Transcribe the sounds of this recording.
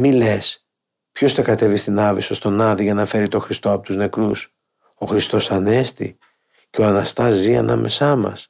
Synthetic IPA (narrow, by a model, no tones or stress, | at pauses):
mile̞s | pço̞sθɐkɐt̪e̞vist̪inɐviso̞st̪o̞nɐðiʝɐnɐfe̞ɾit̪o̞xɾist̪o̞ɐpot̪uzne̞kɾus | o̞xɾist̪o̞sɐne̞st̪ḭ | ceo̞ɐnɐst̪ɐzːiɐ̰nʔɐ̰mʔe̞sɐmɐ̰s